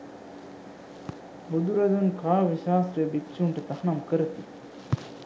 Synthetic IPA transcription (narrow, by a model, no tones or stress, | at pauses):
bud̪uɾɐd̪unkaːʋiʃaːsɾejəbikʃuːɳʈət̪ahnamkəɾət̪i